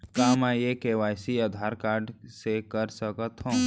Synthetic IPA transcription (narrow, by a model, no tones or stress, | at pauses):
kaːmajekeʋaːjsiaːd̪ʱaːɾkaːɾɖsekəɾsəkət̪ɦõː